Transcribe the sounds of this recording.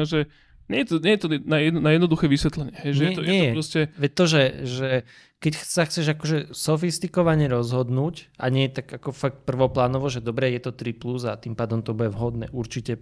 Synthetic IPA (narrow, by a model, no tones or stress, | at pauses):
ʒɛ | ɲɛjɛt̪ɔɲɛjɛt̪ɔɛnajɛd̪nnajɛd̪nɔd̪uxɛːʋisʋɛt̪lɛɲɪɛɦɛjʒɛjɛt̪ɔɲɛɛɾɔscɛʋɛt̪ɔʒɛʒɛ | kɛcxt͡saxt͡sɛʒakɔʒɛsɔfist̪ikɔʋaɲɛɾɔzɦɔd̪nuːca̰ɲɪɛjɛt̪aɡakɔfak̚t̪̚pr̩ʋɔplaːnɔʋɔʒɛd̪ɔbɾɛjɛt̪ɔt̪ɾipluzat̪impaːd̪ɔmt̪ɔbujɛʋɦɔd̪nɛ̰ːʔuɾt͡ʃicɛ